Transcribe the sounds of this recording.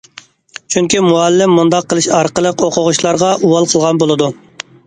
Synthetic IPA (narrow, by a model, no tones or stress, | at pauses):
t͡ʃʰyŋkʲimuɑlːɪmːund̪ɑqːəlˠɨʃɑɾqəlˠəqoqʰʊʁʊʃlˠɑɾʁɑʔuwɑlˠqʰəlˠʁɑnbolˠɨd̪u